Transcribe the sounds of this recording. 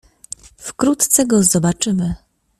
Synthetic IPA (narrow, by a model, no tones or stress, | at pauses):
fkɾut̪t̪sɛɡɔzɔbat͡ʂɘmɘ